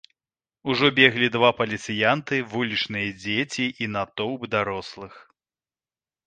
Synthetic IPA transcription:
uʐɔbʲɛɣlʲid̪vapɐlʲit̪sɨjant̪ɨvulʲit͡ʂnɨjɐd͡zʲet͡sʲiʔinat̪ɔwbd̪aɾɔslˠɨx

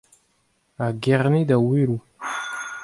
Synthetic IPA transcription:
aɡeʁnid̪awiɾu

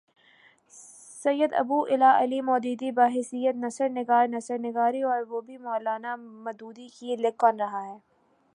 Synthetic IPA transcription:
sɐjːəd̪ɐ̰buːʔɪlaːʔɐlimɔːd̪iːd̪ibaːɦɪsijət̪nɐsəɾnɪɡaːɾnɐsəɾnɪɡaːɾiɔːɾʋoːbʱimɔːlaːnamɐd̪uːd̪ikilekːɔnɾɐɦaɦɛː

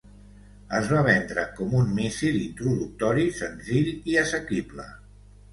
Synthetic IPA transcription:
əzβaβ̞ɛnd̪ɾəkɔmunmisilint̪ɾuðuk̚t̪ɔɾisənziʎiəsəkiblə̰

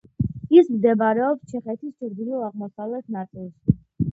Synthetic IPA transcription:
ismd̪ɛbaɾɛɔpst͡ʃʰɛχɛt̪ʰist͡ʃʰɾd̪iluaʁmɔsavlɛt̪ʰnat̪sʼilˠʃ

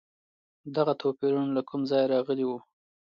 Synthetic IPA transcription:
d̪aɣat̪ʰopeɾunlakumzɑjɾɑɣəliwu

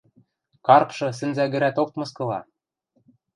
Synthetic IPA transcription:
kɑrpʃɤ̆s̬ɘ̆nzæɣɘ̆ɾæt̪ok̚mɤ̆skɤ̆lɑ̰

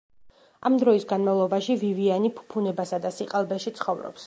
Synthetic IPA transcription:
a̰md̪ɾɔisɡanmavlˠɔbaʃivivianipʰu̥pʰunɛbasad̪asiqʼalˠbɛʃit̪sʰχɔvɾɔ̰ps

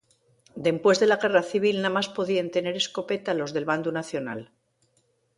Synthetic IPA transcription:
d̪e̞mpwe̞zðe̞laɣe̞raθiβ̞ilnamaspo̞ðient̪e̞ne̞ɾe̞sko̞pe̞t̪alo̞zðe̞lβand̪unaθjo̞na̰l

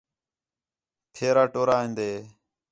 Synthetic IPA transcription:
p̪ʰeːɾaːʈoːɾaːɦĩːnd̪eː

